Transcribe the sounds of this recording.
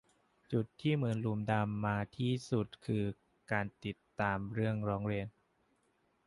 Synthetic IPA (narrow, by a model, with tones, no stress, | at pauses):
t͡ɕu˨˩t̪ʰːiː˥˩mɯ˩˨˩nlu˧˩mda˧mːaː˧t̪ʰiː˥˩su˨˩t̪̚kʰɯː˧ | kaː˧nt̪i˨˩t̪ːaː˧mɾɯ˥˩əŋɾɔː˦˥ŋɾi˧ən